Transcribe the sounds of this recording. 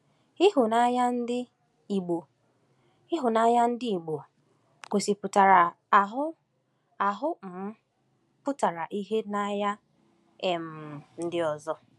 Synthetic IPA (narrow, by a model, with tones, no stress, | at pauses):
ɪ˦ɦʊ˨na˦ja˦n̩˦dɪ˦ | i˨ɡ͡bo˨ | ɪ˦ɦʊ˨na˦ja˦n̩˦dɪ˦i˨ɡ͡bo˨ | ko˨si˨pʊ˨ta˨ɾa˨ | a˨ɦʊ˦ | a˨ɦʊ˦m̩˨m̩˦ | pʊ˦ta˨ɾa˨ʔi˦ɦe˦na˦ja˦ | e˨m̩˨n̩˦dɪ˦ɔ˨zɔ˦